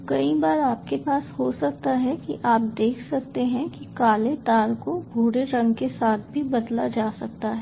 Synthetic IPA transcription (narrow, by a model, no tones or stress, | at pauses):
kɐibaːɾaːp̚kepaːshosɐk̚t̪aɦɛkḭʔaːp̚d̪eːkʰsɐk̚t̪eɦɛ̃kikaːlet̪aːɾkobʱuːɽeɾɐ̃ŋɡkesaːt̪̚ʰbʱibɐd̪lad͡ʒaːsɐk̚t̪aɦɛ